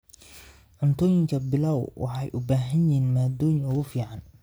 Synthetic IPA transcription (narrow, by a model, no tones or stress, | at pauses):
ʕʊnt̪ʰɔːjɪŋkʰɐbɪlɐwwʔɑ̰ħɑjʔʊbaːɦɐnjɛːnmaːd̪ɔːjɪŋɔɣʊfiːʕɑn